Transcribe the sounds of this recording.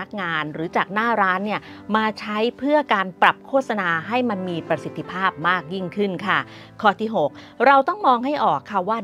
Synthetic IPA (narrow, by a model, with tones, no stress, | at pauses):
k̚ŋaː˧nɾɯː˩˦t͡ɕaː˨˩k̚naː˥˩ɾaː˦˥nːi˥˩ɐ | maː˧t͡ɕʰa˦˥jpʰɯ˥˩ɐkaː˧npɾa˨˩p̚kʰoː˥˩t̪̚sa˧naː˧ɦa˥˩jma˧nmiː˧pɾa˧si˨˦t̪ʰːi˧˥pʰaː˥˩p̚maː˥˩k̚ji˥˩ŋkʰɯ˥˩nkʰa˥˩ | kʰːɔː˥˩t̪ʰiː˥˩ɦo˨˩k̚ | ɾa˧wt̪ɔ˥˩ŋmɔː˧ŋɦa˥˩jʔɔː˨˩kʰːa˥˩waː˥˩